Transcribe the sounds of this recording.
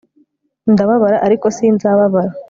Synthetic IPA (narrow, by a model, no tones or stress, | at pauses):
ndaβaβaɾaʔaɾiko̞sinzaβaβaɾa